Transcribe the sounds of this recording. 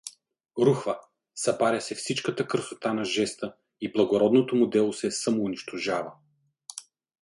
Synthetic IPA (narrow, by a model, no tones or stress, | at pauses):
ɾuxvə | sɐpaɾʲɐsɛfsit͡ʃkət̪əkəɾsot̪anɐʒɛst̪ə | iblˠɐɡoɾɔd̪not̪omʊd̪ɛlˠosɛsəmoːniʃt̪oʒavə